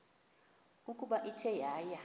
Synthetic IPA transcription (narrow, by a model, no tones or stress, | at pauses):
ukʼuɓaʔitʰɛjaːja